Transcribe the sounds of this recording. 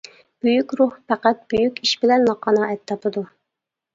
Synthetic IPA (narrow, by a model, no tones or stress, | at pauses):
b̥yjykʲɾuhpʰæqæt̪̚b̥yjykʲiʃbɪlɛnlɑqʰːɑnɑɛt̪t̪ʰːɑpʰɨd̪u